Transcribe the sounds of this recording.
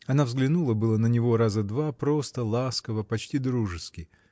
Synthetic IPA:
ɐnavzɡlʲɪnulˠəbɨlˠənənʲɪvo̞ɾazəd̪vapɾo̞st̪əlˠaskəvəpɐt͡ɕtʲid̪ɾuʐɨskʲɪ

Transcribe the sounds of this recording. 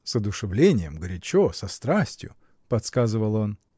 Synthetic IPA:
sɐd̪ʊʂɨvlʲenʲɪjəmɡɾʲɪt͡ɕosɐst̪ɾasʲtʲjʊ̰ | pɐt̪skazɨvəlˠo̞n

